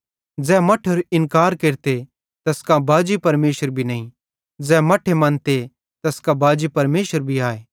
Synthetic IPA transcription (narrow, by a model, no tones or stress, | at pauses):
d͡zɛːmɐʈʰəɾɪnkaːɾkeːɾt̪e | t̪ɐskabʱaːd͡ʒipɐɾmeːʃəɾbʱinɐĩ | d͡zɛːmɐʈʰemɐ̃nt̪e | t̪ɐskabaːd͡ʒipɐɾmeːʃəɾbʱiaːeː